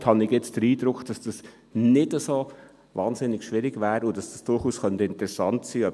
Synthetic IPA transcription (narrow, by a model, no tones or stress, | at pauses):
thɑnɪɡjɛt͡std̥əɾiːdɾʊkd̥ɑsd̥ɑs | nɪdəso | vɑːnzɪnɪɡʃvɪɾɪɡvɛːɾʊd̥ɑsd̥ɑsd̥ʊɾχuːskœntəɪntəɾɛsɑntsiːœ